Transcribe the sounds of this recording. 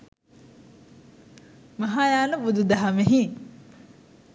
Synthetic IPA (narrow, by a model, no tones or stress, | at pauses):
mɐɦaːjaːnəbud̪ud̪aɦameɦi